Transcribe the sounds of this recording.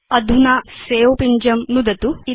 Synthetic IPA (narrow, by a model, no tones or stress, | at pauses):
ɐd̪ʱunaseːopiɲd͡ʒɐmnud̪ɐt̪ui